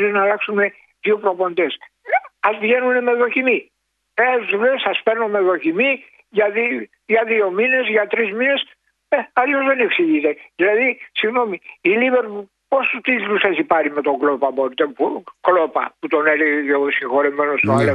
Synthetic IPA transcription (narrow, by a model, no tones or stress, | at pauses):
ɾeznɐːlɐksume̞ | ðio̞pɾo̞po̞nd̪e̞sɐspiʝe̞nune̞me̞ðo̞çimi | eɐt̪ulesɐspe̞ɾno̞meðo̞çimi | ʝɐði | ʝɐðio̞mine̞zʝɐt̪ɾizmine̞s | eɐʎo̞zðe̞neksiʝit̪e̞ðilɐðisiɣno̞miːliveɾpu | po̞st̪ut̪it̪lusɐçipɐɾime̞t̪o̞ɡlo̞pɐbo̞ɾit̪epuklo̞pɐ̰put̪o̞ne̞leɣeceosĩŋxo̞ɾeme̞nost̪oɐle